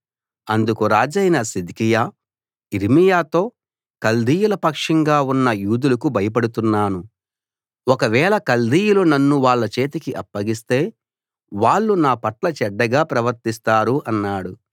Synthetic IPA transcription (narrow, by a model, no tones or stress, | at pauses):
ɐnd̪ukuɾaːd͡ʒɐjnɐsid̪kijaː | iɾimijaːt̪o̞ː | kɐld̪iːjulɐpɐkʂɐŋɡaːunːɐjuːd̪ulɐkubʱɐjɐp̬ɐɽut̪unːaːnu | ɔkɐʋɛːɭɐkɐld̪ʱiːjulunɐnːuʋaːɭːɐt͡ʃe̞ːt̪ikiʔɐpːɐɡist̪e̞ː | ʋaːɭːunaːpɐʈlɐt͡ʃɛɖːɐɡaːpɾɐʋɐɾt̪ist̪aːɾuʔɐnːaːɽu